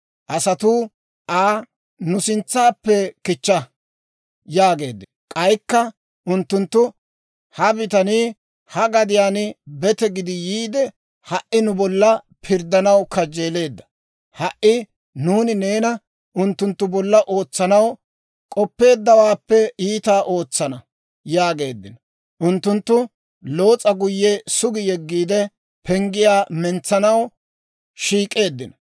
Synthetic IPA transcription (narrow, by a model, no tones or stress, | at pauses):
ʔɐsɐt̪u | ʔaː | nʊsɪnt͡sːaːpːɛkɪt͡ʃːɐ | jaːɡe̞ːd̪ːɛ | kʼɐjkːɐ | ʔʊnt̪ːʊnt̪ːʊ | hɐbɪt̪ɐniː | hɐɡɐd̪ɪjaːnɪbɛt̪ɛɡɪd̪ɪjiːd̪ɛ | hɐʔɪnʊbɔlːɐ | pʰɪɾd̪ːɐnɐwkɐd͡ʒe̞ːle̞ːd̪ːɐ̥ | hɐʔɪ | nuːnɪne̞ːnɐ | ʊnt̪ːʊnt̪ːʊbɔlːɐʔo̞ːt͡sːɐnɐw | kʼɔpːe̞ːd̪ːɐwaːpːɛiːt̪aːʔo̞ːt͡sːɐnɐ | jaːɡe̞ːd̪ːɪ̰nɐ | ʔʊnt̪ːʊnt̪ːʊ | lo̞ːt͡sʼːɐɡʊjːɛsʊɡɪjɛɡːiːd̪ɛ | pʰɛŋɡɪjaːmɛnt͡sːɐnɐw | ʃiːkʼːe̞ːd̪ːɪnɐ